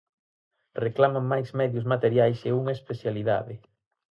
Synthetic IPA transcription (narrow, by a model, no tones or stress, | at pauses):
reklamaŋːajzmɛðjʊzmat̪eɾjajseuŋaespeθjaliða̰ðɪ